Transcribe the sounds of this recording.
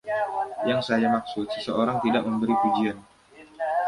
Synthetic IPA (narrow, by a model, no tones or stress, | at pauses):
jaŋsajamaksʊt̪̚sə̥səoɾaŋt̪idaʔməmbəɾipud͡ʒian